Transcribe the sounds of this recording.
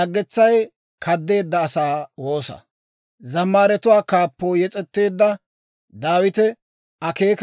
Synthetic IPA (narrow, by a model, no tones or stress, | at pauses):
ɐɡːɛt͡sːɐj | kʰɐd̪ːe̞ːd̪ːɐːsaːwo̞ːsɐ̰ | zɐmːaːɾɛt̪ʊwaːkaːpːoːjɛt͡sʼɛt̪ːe̞ːd̪ːɐ | d̪aːwɪt̪ɛ | ɐkeːk